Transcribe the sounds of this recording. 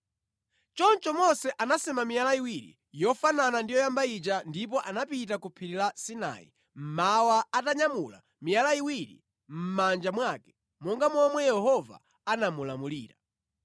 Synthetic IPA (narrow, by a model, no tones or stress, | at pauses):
t͡ʃɔnt͡ʃɔmɔsɛʔanasɛmamijalaiwiɾḭ | jɔfananandijɔjambait͡ʃandip̬ɔʔanapit̬akupʰiɾilasina̰ːḭ | m̩mawaataɲamula̰ | mijalaiwiɾḭ | m̩mand͡ʒamwakɛ̥ | mɔŋɡamɔmwɛjɛhɔva̰ | anamulamuliːɾa̰